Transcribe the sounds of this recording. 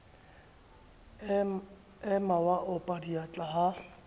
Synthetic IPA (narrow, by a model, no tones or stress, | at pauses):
ɛmawaʔʊpʼadiat͡ɬʼaɦa